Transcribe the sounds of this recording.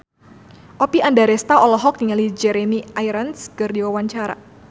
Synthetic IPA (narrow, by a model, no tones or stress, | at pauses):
ʔɔpiandaɾɛst̪aɔlɔɦɔk̚niŋalid͡ʒɛɾemiajɾənskɨrdiwawaɲt͡ʃaɾa̰